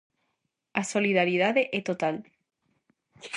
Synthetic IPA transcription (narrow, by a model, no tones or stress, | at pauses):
asoliðaɾið̞aðeʔet̪ot̪al